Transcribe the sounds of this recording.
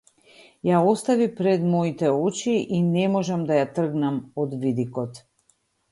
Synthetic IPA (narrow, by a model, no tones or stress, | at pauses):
jaɔst̪avipɾɛd̪mɔit̪ɛɔt͡ʃiʔinɛmɔʒamd̪ajat̪r̩ɡnamɔd̪vid̪ikɔt̪